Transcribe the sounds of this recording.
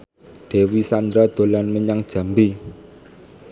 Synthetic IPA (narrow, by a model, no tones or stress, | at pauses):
d̪̥ɛ̤wisand̪ɾad̪̥o̤lanməɲaŋd̥ʒ̥ä̤mbi